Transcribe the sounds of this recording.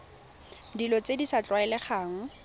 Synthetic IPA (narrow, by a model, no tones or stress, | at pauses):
dilɔt͡sedisat͡ɬwaɛlɛχaːŋ̩